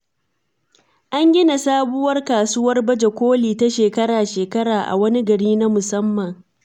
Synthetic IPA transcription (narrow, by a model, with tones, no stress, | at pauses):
ʔa˦ŋɡʲɪ˦na˨saː˦bʊ˦wɐ˦rkaː˨sʊ˦wɐ˦rbɐ˦d͡ʒe˨kʷoː˦liː˨ta˦ʃeː˨kɐ˦ɽaː˨ʃeː˨kɐ˦ɽaː˨ʔa̰˨wɐ˦ni˦ɡɐ˨ɽiː˦na˦mʊ˨sɐ˦mːɐ˨ŋ